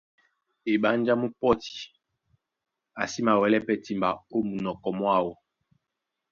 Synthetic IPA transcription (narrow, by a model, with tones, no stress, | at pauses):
e˨ɓa˦nd͡ʒa˦mu˦pɔ˦ti̥˨ | a˨si˦ma˨wɛ˨lɛ˦pɛ˦ti˦mba̰˨o˦mu˨nɔ˨kɔ˨mwa˦˨wɔ˦